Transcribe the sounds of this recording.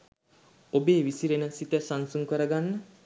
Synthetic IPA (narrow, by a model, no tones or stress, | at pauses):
obeːʋisiɾenəsit̪əsansuŋkəɾəɡanːə